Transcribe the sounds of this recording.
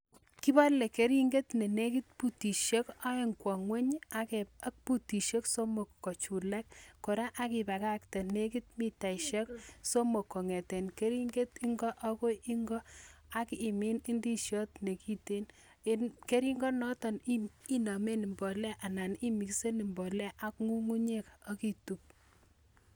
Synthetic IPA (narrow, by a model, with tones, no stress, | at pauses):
ki˦ba˦le˨ke˨ɾi˦ŋɡe˦tne˨ne˦ki˦t̚pu˦ti˨ʃe˦ka˦e˦ŋkwɔ˨ŋwe˦ɲa˦kea˦k̚pu˦ti˨ʃe˦kso˦mo˨kːɔ˨t͡ʃu˨lɛ˦kkːo˨ɾa˦ʔa˦ki˨pa˨ka˦k̚tɛ˨ne˦ki˦t̚mi˦ta˨iʃe˦kso˦mo˨kːo˨ŋe˨te˨nke˦ɾi˦ŋɡe˦ti˦ŋɡɔ˦ʔa˦ko˦ʔi˦ŋɡɔ˦a˦ki˨me˦ni˦ndi˦ʃjɔ˦tne˨ki˦te˦n | nke˦ɾi˦ŋɡɔ˦nɔ˦tɔ˨ni˦i˦na˨me˦ni˨mbɔ˨lɛ˦ʔa˨na˨ni˦mi˨kse˦ni˨mbɔ˨lɛ˦ʔa˦kŋu˦ŋu˦ɲe˦ka˦ki˨tu˨p̚